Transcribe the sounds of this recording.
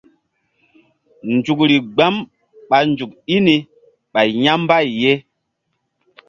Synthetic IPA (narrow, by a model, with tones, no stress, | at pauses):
nd͡ʒu˨kɾi˨ɡ͡ba˦m | ɓa˨nd͡ʒu˨ki˦ni˨ | ɓa˨jja˦mba˦˨jːe˦